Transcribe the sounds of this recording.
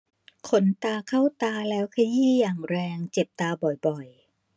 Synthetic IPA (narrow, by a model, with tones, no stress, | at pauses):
kʰo˧˥nt̪aː˧kʰa˥˩wt̪aː˧lɛː˦˥wkʰa˧jiː˥˩jaː˨˩ŋɾɛː˧ŋt͡ɕe˨˩p̚t̪aː˧bɔ˨˩jbɔ˨˩j